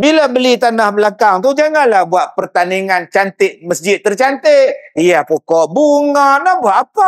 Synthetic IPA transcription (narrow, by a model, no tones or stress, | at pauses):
bilabəlit̪anahbəlakaŋt̪ud͡ʒaŋanlahbuaʔ̪̚pərt̪aniŋant͡ʃant̪ɪʔ̚məsd͡ʒɪt̪ːərt͡ʃant̪ɪʔ̚ijapokɔʔbuŋaʔnahbuaʔapa